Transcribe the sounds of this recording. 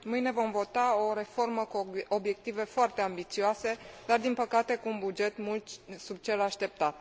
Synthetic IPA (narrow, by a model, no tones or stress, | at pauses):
mɨjne̞vo̞mvo̞t̪ao̞ɾe̞fo̞rməkuobje̞k̚t̪ive̞foart̪e̞ambit̪sioase̞d̪ard̪inpəkat̪e̞kuːnbud͡ʒe̞t̪mult̪sub̚t͡ʃe̞laʃt̪e̞p̚t̪at̪